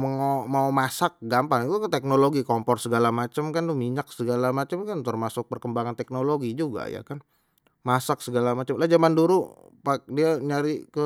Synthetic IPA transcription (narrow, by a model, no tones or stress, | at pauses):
məŋomaumasak̚ɡampant̪ut̪ɛk̚noloɡikɔmpɔrsəɡalamat͡ʃəmkandʊmiɲak̚səɡalamat͡ʃəmkant̪ərmasʊk̚pərkəmbaŋant̪ɛk̚noloɡid͡ʒuɡa̰ja̰kan | masak̚səɡalamat͡ʃəmlahd͡ʒamanduɾu | pak̚diaɲaɾikə